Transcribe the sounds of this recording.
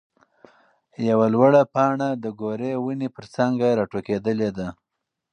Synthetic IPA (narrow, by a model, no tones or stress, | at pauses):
jawalwaɽapɑɳad̪əɡoɾewənepəɾsaŋɡaɾɑʈoked̪əled̪a